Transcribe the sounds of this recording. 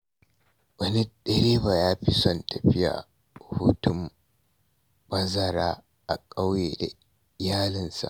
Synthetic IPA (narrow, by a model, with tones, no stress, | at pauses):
wɐ˦ni˦ɗɐ˦ɾeː˦baː˨jaː˦ɸi˦sɔ˦˨ntɐ˨ɸɪ˦ja̰ː˨ | hu˦tʊ˦m | bɐ˦zɐ˨ɾaː˦ | ʔa˨kʼa˦wjḛ˨ | jaː˦lɪ˨nsa̰˨ʔ